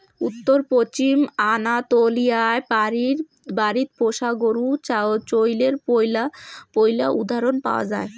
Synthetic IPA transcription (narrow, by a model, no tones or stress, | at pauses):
ut̪ːoɾpɾot͡ɕimanat̪olijaepaɾiɾ | baɾit̪̚poʃaɡoɾuat͡ɕojleɾojlapojlaʔud̪ʱaɾonpa̰oa̰d͡ʑae